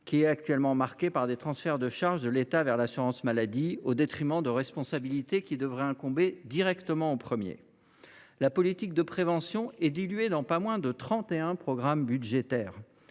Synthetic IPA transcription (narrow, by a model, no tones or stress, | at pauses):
kʲiɛt̪ak̚t̪ɥɛlmɑ̃maʁkʲepaʁd̪et̪χɑ̃sfɛʁd̪əʃaʁʒd̪əlet̪avɛʁlasyʁɑ̃smalad̪iod̪et̪χimɑ̃d̪əʁɛspɔ̃sabilit̪ekʲid̪əvʁɛɛ̃kɔ̃bed̪iʁɛkt̪əmɑ̃opχəmjḛ | lapɔlit̪ik̚d̪əpχevɑ̃sjɔ̃ɛd̪ilɥed̪ɑ̃pamwɛ̃d̪ət̪χɑ̃t̪eɛ̃pχɔɡʁambyd̪ʒet̪ɛːʁ